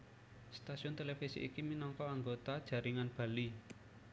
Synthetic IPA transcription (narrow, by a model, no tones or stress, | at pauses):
st̪asiʊnt̪elefisḭʔikiminɔŋkɔaŋɡot̪ad̥ʒ̥ä̤ɾiŋanb̥ä̤li